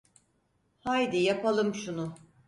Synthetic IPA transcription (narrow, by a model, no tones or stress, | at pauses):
hajd̪ijapalˠɯmʃunʊ